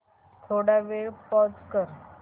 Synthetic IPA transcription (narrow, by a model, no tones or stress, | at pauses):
t̪ʰoɽaʋeɭpɔt͡skəɾ